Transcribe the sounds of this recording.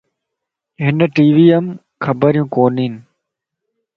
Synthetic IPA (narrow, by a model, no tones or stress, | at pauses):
ɦɪnʈiːʋiːəm | kʰəbəɾjũːkoːniːn